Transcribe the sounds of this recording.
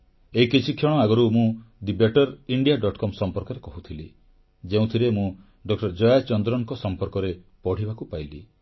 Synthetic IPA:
eikit͡ʃʰikʰjɔɽ̃ɔaɡɔɾumũd̪ibeʈɔɾiɳɖijaɖɔʈkɔmsɔmpɔɾkɔɾekɔɦut̪ʰilḭ | d͡ʒeũt̪ʰiɾemũ | ɖɔkʈɔɾd͡ʒɔjat͡ʃɔnd̪ɾɔŋkɔsɔmpɔɾkɔɾepɔɽ̤ibakupajli

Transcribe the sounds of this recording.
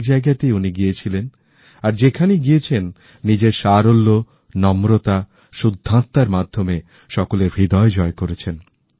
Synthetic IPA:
d͡ʑaeɡat̪euniɡijet͡ɕʰilen | aɾd͡ʑekʰaneɡijet͡ɕʰenː | id͡ʑeɾʃaɾolːo | nɔmɾot̪a | ʃud̪ʱːant̪ːaɾmad̪ʱːome | ʃɔkoleɾbʱid̪ɔed͡ʑɔekoɾet͡ɕʰen

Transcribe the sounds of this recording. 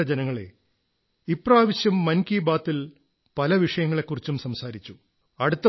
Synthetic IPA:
ɐd͡ʑenɐŋːɐɭe̞̰ | ipːraːʋɐɕjɐmːɐnkiːbaːt̪ːil | pɐlɐʋiʂɐjɐŋːɐɭe̞kːurit͡ɕːumsɐmsaːɾit͡ɕːu | ɐɽut̪ːɐ

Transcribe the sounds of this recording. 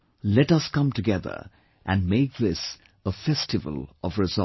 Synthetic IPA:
lɛɾʌskʌ̃mtɨɡɛðə̰˞ | ʔɨ̃nmeɪk̚ðɪs | əfɛstɨvə̰l̩ˠʌvɹɨzʌ

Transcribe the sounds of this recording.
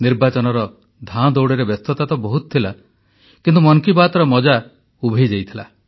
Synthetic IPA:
niɾbat͡ʃɔnɔɾɔ | d̪ʱad̪ɔwɽeɾebest̪ʰɔt̪at̪ɔbɔɦut̪ɔ̥t̪ʰila | kint̪umɔŋkibat̪ɔɾɔmɔd͡ʒa | ubʱed͡ʒejt̪ʰila̰

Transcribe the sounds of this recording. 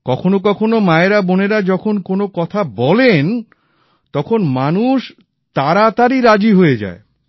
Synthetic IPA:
kɔkʰonokɔkʰonomaeɾaboneɾad͡ʑɔkʰonkonokɔt̪ʰabɔlen | t̪ɔkʰonmanuʃ | t̪aɾat̪aɾiɾad͡ʑiɦoed͡ʑa̰e

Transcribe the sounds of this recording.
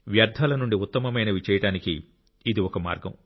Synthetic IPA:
ʋjɐɾd̪ʱaːlɐnuɳɖiut̪ːɐmɐmɐjnɐʋit͡ʃɛːjɐɽaːnikiː | d̪iɔkɐma̰ːɾɡɐ̰m

